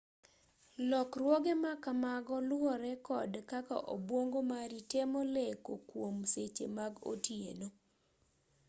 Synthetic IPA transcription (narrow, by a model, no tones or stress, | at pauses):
lɔkrwoɡemakamaɡɔlwɔɾɛkɔdkaka̰ʔo̰bwoŋɡomaɾitemolekokwomset͡ʃḛmaɡo̰tjḛno